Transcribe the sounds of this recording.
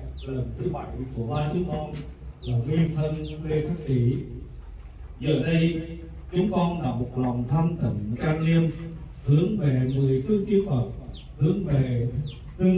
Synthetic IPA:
lə˨˩mt̪ʰɨ˨˦jɓa˧˩˦jku˧˩əɓaː˧t͡ɕʊ˨˦ŋ͡mkɔ˧nlaː˨˩mwi˧ənt̪ʰə˧nɗe˧t̪ʰa˦˥k̚t̪i˧˩˦ | zəː˨˩ɗə˧j | t͡ɕʊ˨˦ŋ͡mkɔ˧nɗa̰ː˧˩mo˨˩t̚la̰˨˩ŋ͡mt̪ʰa˧mt̪ə˨˧˩ŋkaː˧nli˧əm | hɨ˨˦əŋve˨˩mɨ˨˩əjfɨ˧əŋki˧əwfə˨˩t̚ | hɨ˨˦əŋve˨˩ | fɨ˧əŋ

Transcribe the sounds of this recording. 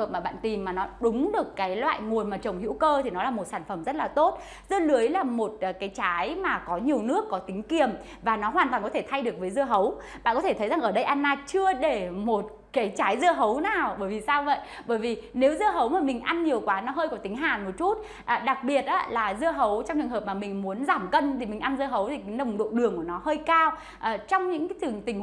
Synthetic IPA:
həː˨˩p̚maː˨˩ɓa̰ː˧˨nt̪i˨˩mmaː˨˩nɔ˨˦ɗʊ˨˦ŋ͡mɗɨ˨˩əkːaː˨˦jlwa̰ː˧˨jŋu˨˩ənmaː˨˩t͡ɕə˨˩wŋ͡mhḭ˧˥wkəː˧t̪ʰi˨˩nɔ˨˦laː˨˩mo˨˩t̚saː˧˩nfə˧˩mzə˦˥t̚laː˨˩t̪o˦˥t̚ | zɨ˧əlɨ˨˦əjlaː˨˩mo˨˩t̚ːkaː˨˦jt͡ɕaː˨˦jmaː˨˩kɔ˨˦ɲi˨˩əwnɨ˦˥əkːɔ˨˦t̪ï˨˦ŋ̟ki˨˩əm | vaː˨˩nɔ˨˦ɦwaː˨˩nt̪waː˨˩ŋkɔ˨˦e˧˩t̪ʰa˧jɗɨ˨˩ək̚vəː˨˦jzɨ˧əɦə˨˦w | ɓa̰ː˧˨nkɔ˨˦t̪ʰe˧˩t̪ʰə˨˦jza˨˩ŋʔəː˧˩ɗə˧jʔa˧nːaː˧t͡ɕɨ˧əɗe˧˩mo˨˩t̚ | kaː˨˦jt͡ɕaː˨˦jzɨ˧əɦə˨˦wnaː˨˩wɓəː˧˩jvi˨˩saː˧wvə̰˧˨j | ɓəː˧˩jvi˨˩ne˨˦wzɨ˧əɦə˨˦wmaː˨˩mï˨˩ŋ̟ʔa˧nɲi˨˩əwkwaː˨˦nɔ˨˦ɦəː˧jkɔ˨˦t̪ï˨˦ŋ̟ɦaː˨˩nmo˨˩t̚t͡ɕu˦˥t̚ | ʔːɗa˨˩k̚ɓi˨˩ət̚ʔaː˨˦laː˨˩zɨ˧əɦə˨˦wt͡ɕɔ˧wŋ͡mt͡ɕɨ˨˧˩ŋɦəː˨˩p̚maː˨˩mï˨˩ŋ̟mu˨˦ənzaː˧˩mkə˧nt̪ʰi˨˩mi˨˩ŋ̟ʔa˧nzɨː˧ɦə˨˦wt̪ʰi˨˩ka˨˦nə˨˩wŋ͡mɗo̰˧˨ɗɨ˨˩əŋku˧˩ənɔ˨˦həː˧jkaː˧w | ʔːt͡ɕɔ˧wŋ͡mɲɨ̰˧˥ka˨˦t̪ɨ˨˩əŋt̪ï˨˩ŋ

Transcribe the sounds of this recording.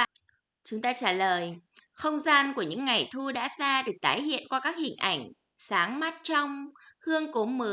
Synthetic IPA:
t͡ɕʊ˨˦ŋ͡mt̪aː˧t͡ɕaː˧˩ləː˨˩jxə˧wŋ͡mzaː˧nku˧˩əɲɨ̰˧˥ŋːa˨˩jt̪ʰu˧ɗa̰ː˧˥saː˧ɗe˨˩t̪aː˨˦jhḭ˧˨ənkwaː˧kaː˦˥k̚hï˨˩ŋ̟ʔa˧˩jŋ̟ | saː˨˦ŋma˦˥t̚t͡ɕɔ˧wŋ͡mhɨ˧əŋko˨˦mɨ˨˩

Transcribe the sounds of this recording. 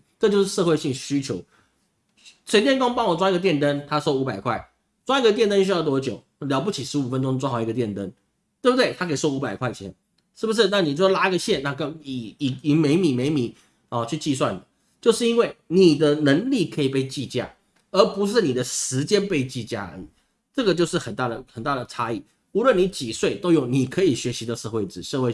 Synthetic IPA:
ʈ͡ʂɤ˥˧t͡ɕjo˥˧ʊʂɻ̩˥˧ʂ̬ɤ˥˧xwe˥˧ɪɕi˥˩ŋɕy˥t͡ɕʰjo˧˦ʊ | t͡ɕʰwɛ˧˥nt̪jɛ˥˧nko˥ŋpɑ˥˩˦ŋwɔ˨˩t͡swa˥i˧ɡə˧t̪jɛ˥˨nt̪ə˦˥nt̪ʰa˥sɔ˥˧ʊu˧˥pa˨˩ɪkʰwa˥˩ɪ | t͡swa˥i˧˩ɡə˨t̪̬jɛ˥˧nt̪ə˥nɕy˥jɑ˥˧ʊt̪wɔ˥t͡ɕjo˨˩˦ʊljɑ˧˥pu˥˩t͡ɕʰi˨˩ʂɻ̩˧˥u˨˩fə˦nʈ͡ʂʊ˥ŋt͡swxɑ˨˩ʊi˧ɡə˧t̪jɛ˥˩nt̪ə˦˥ŋ | t̪we˥˩bt̪we˥˩ɪt̪ʰa˥kʰso˥ʊu˧˥pa˨˩ɪkʰwa˥˩ɪt͡ɕʰjɛ̰˧˦n | ʂɻ̩˥˩bu˩ʂ̬ɻ̩˥˧na˥˩ni˨˩o˥˩ɔ˥˩la˥i˧˥ɡə˨˧ɕjɛ˥˨nna˥˩ka˥˩i˨˩˨i˧˥ŋme˧˥ɪmi˨˩me˧˥ɪmi˧˥˦ | ɔ˥˨t͡ɕʰy˥˧t͡ɕi˥˧s̬wa˥˩nd̪ə˨˩ | t͡ɕjo˥˧ʊʂɻ̩˥˩i˥nwe˥˩ɪni˨˩d̪ə˦nə˧˥ŋli˥˩kʰə˧˥i˨˩pe˥˧ɪt͡ɕi˥˧t͡ɕja̰˥˩ | ə˞˧˥pu˧˥ʂ̬ɻ̩˥˩ni˨˩d̪ə˦ʂɻ̩˧˥t͡ɕjɛ˥npe˥˧ɪt͡ɕi˥˧t͡ɕja̰˥˩ə̰˞˧˥ḭ˨˩˦ | ʈ͡ʂɤ˥˩ɡə˩t͡ɕjo˥˧ʊʂɻ̩˥˩xə˨˩nt̪a˥˩d̪ə˩xə˨˩nt̪a˥˩d̪ə˩ʈ͡ʂʰa˥i˥˩ | u˧˥lwə˥˩ni˧˥t͡ɕi˨˩swe˥˩ɪt̪o˥ʊjo˥˩ŋni˨˩kʰə˧˥i˨˩ɕɥɛ˧˥ɕi˧˥d̪ə˧ʂɤ˥˧xwe˥˩ɪʈ͡ʂɻ̩˨˩ʂɤ˥˧we˥˧ɪ

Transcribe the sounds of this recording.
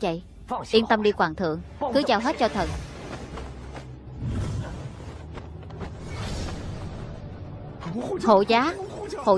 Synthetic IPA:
və̰˧˨j | ʔi˧ənt̪ə˧mɗi˧kwaː˨˩ŋt̪ʰɨ̰˧˨əŋkɨ˨˦zaː˧wɦe˦˥t̚t͡ɕɔ˧t̪ʰə˨˩n | ho̰˧˨zaː˨˦ho̰˧˨

